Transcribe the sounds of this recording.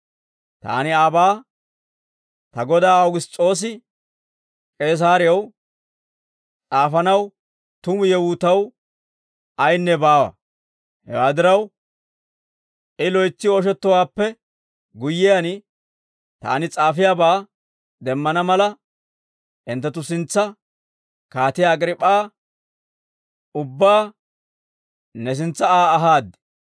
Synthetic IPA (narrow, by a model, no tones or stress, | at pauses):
t̪a̰ːnɪɐbaː | t̪ɐɡɔd̪aːɐwʊɡɪst͡sʼo̞ːs̬ɪ | kʼe̞ːs̬aːɾɪjɐw | t͡sʼaːfɐnɐw | t̪ʊmʊjɛwʊːt̪ɐw | ɐjnːɛbaːwɐ̰ | hɛ̰waːd̪ɪɾɐw | ʔɪlɔjt͡sːɪɔʃ̬ɛt̪ːɔwaːpːɛ | ɡʊjːɪjan | t̪a̰ːnɪt͡sʼaːfɪjaːbaː | d̪ɛmːɐnɐmɐlɐ | ʔɪnt̪ːɛt̪ːʊsɪnt͡sːɐ | kaːt̪ɪjaːɡɾɪpʼːaː | ʊbːaː | nɛs̬ɪnt͡sːɐaːɐɦaːd̪ɛ̥